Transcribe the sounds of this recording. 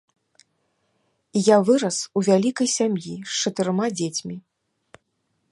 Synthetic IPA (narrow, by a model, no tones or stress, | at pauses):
ijavɨɾɐsuvʲalʲikɐjsʲamjiʂt͡ʂɐt̪ɨɾɨmad͡zʲet͡sʲmʲi